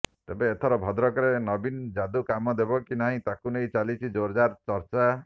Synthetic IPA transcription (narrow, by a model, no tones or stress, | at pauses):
t̪ebeːt̪ʰɔɾɔbʱɔd̪ɾɔkɔɾenɔbind͡ʒad̪ukamɔd̪ebɔkinaɦĩt̪akunejt͡ʃalit͡ʃʰid͡ʒoɾd͡ʒaɾt͡ʃɔɾt͡ʃa